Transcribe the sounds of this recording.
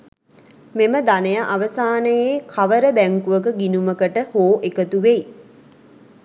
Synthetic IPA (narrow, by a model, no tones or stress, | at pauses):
meməd̪anəjaʔaʋəsaːnəjekʰaʋəɾəbæŋkuʋəkəɡinuməkəʈəhoːʔekət̪uʋej